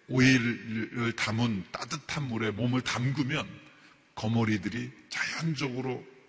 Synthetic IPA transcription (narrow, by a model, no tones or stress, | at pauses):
oiɾɯɭtamunt͈adɯtʰanmuɾe̞momɯɭtamɡɯmjʌn | kʌmʌɾidɯɾit͡ɕḁjand͡ʑʌɡɯɾo